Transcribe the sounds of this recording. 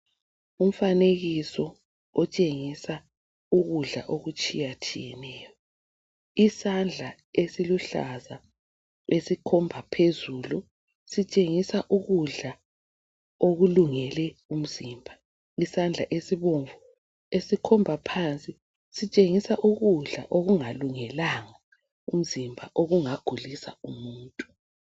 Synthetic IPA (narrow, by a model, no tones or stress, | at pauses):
um̩faneɣisɔ | ɔt͡ʃʼeŋisa | uɣuɮa̰ʔoɣut͡ʃʼijat͡ʃʰʼḭjɛnɛːjɔ | isand͡ɮʱa | esiluɬa̰za | esikʰɔmbʱapʰezuːlu | sit͡ʃʼeŋisaʔuɣuɮa | oɣuluŋɛlɛum̩ziːmbʱa | isand͡ɮʱaʔesiβoɱvu | esikʰɔmbʱapʰant͡sʼi | sit͡ʃʼeŋisaʔuɣuɮa̰ʔoɣuŋaluŋɛlaŋa | um̩zimbʱa̰ʔoɣuŋaɡ̥ʱulisa̰umuːntʼu̥